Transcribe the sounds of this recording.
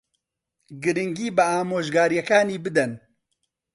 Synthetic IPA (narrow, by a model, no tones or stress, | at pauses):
ɡɨɾɨŋɡiːbɨaːmoːʒɡaːɾjɛkaːniːbɨd̪ɛn